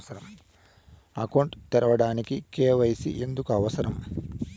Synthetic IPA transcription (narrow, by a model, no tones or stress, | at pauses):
sɐɾɐm | ɐkɐwɳʈt̪ɛɾɐʋɐɽaːnikikeːʋɐjɐsiʔe̞nd̪ukuɐʋɐsɐɾɐm